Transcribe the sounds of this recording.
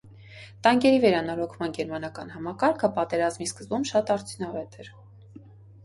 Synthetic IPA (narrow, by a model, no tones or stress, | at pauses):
t̪ɑŋɡɛɾivɛɾɑnɑɾɔkʰmɑnɡɛɾmɑnɑkɑnɦɑmɑkɑɾkʰəpɑt̪ɛɾɑzmiskəzbumʃɑt̪ɑɾt͡sʰjunɑvɛt̪ɛɾ